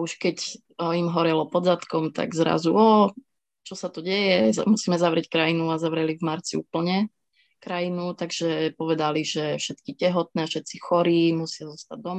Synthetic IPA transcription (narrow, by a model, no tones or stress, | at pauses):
auʃkɛc | imɦɔɾɛlɔpɔd̪zat̪kɔmt̪a̰ɡzɾa̰zuɔ | t͡ʃɔsat̪ɔɟɛjɛmusiːmɛzaʋɾɪɛckɾajinuazaʋɾɛlivmaɾt͡siṵːpl̩ɲɛ | kɾajinut̪aɡʒɛpɔʋɛd̪aliʒɛfʃɛt̪kicɛɦɔt̪̚nɛːfʃɛt̪t͡sixɔɾiːmusɪazɔst̪aɟ̚d̪ɔma